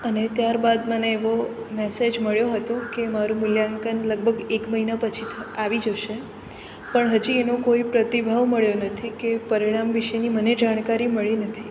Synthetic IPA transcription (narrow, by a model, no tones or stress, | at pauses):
ənet̪jaɾbad̪məneːʋo | mɛsed͡ʒməɭjoɦət̪okemaɾũmʊljaŋkənləɡ̚bʱəɡekməɦinapət͡ʃʰit̪ʰəaʋid͡ʒəʃe | pəɳɦəd͡ʒienokoipɾət̪ibʱaʋməɭjonət̪ʰikepəɾiɽ̃amʋiʃeniməned͡ʒaɽ̃kaɾiməɭinət̪ʰi